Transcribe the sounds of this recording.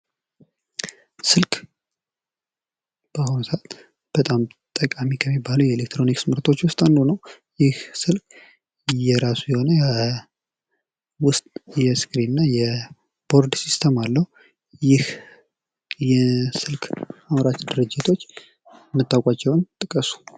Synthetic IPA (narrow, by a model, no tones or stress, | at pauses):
sɨlkʼ | b̥əhonsat̪ | b̥ət̪ʼamt̪ʼəkʼamikʰəmːibːalujɛelek̚t̪ɾo̞niksmɨɾt̪ʰo̞t͡ʃːwʊst̪ʼand̪unəw | jɪhsɨlkʼ | jɛɾasujɛho̞nəj | wʊst̪ʼjɛsɡɾinnːajɛ | b̥o̞ɾd̪sist̪ʰəmalːəhu | jɪh | jɛsɨlkʼamɾat͡ʃd̪ɨɾɨd͡ʒːɪt̪ʰo̞t͡ʃː | mːɨt̪ːawkʼat͡ʃːɛwnt̪ʼɨkʼəsu̥